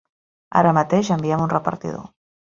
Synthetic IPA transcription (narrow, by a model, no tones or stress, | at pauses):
a̰ɾəmət̪eʒəmbiɛmunrəpə̰ɾt̪ḭðo̰